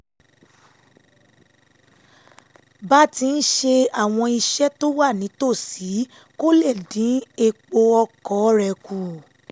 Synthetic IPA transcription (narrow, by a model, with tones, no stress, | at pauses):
ba˦ti˧n̩˦ʃe˧a˨w̃ɔ̃˧i˧ʃɛ˦to˦wa˦˨nĩ˨˦to˦˨si˨˦ | ko˦lɛ˦˨dĩ˨˦e˧k͡po˧ɔ˧kɔ˨˦ɾɛ˧˨ku˨